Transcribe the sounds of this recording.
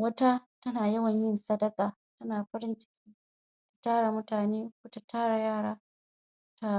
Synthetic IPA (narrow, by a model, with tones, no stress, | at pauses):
wɐ˦ta˦tɐ˦naː˨jɐ˦wɐ˨ɲjɪ˦nsɐ˦dɐ˦kʼaː˨ | tɐ˦naː˨ɸɐ˦ɽɪ˦nt͡ʃɪ̥˦kʲiː˦ | tḁ˨taː˦ɽa˨mʊ˦taː˨neː˦kʷʊ˦ta˨tʰaː˦ɽa˨jaː˦˨ɽaː˦ | ta˦